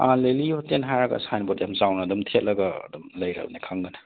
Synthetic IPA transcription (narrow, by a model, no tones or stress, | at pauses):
aleliɔtenɦajɾɐɡɐ̰sajnbɔt̚jamzawnɐːdɔmtʰet̚lɐɡa̰ːdumlɐjɾa̰bnikʰaŋɡɐnɐ